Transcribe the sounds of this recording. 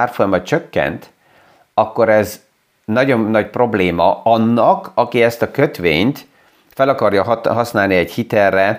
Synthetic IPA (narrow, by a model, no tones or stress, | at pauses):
aːrfojɒmɒt̪̚t͡ʃøkːɛ̰nt̪ | ɒkːo̞ɾɛz | nɒɟo̞nːɒcpro̞bleːmɒɒnːɒkɒkiɛst̪ɒkø̞t̪ʋḛːɲt̪ | fɛlɒkɒrjɒɦɒsnaːlniɛɟhit̪ɛrːɛ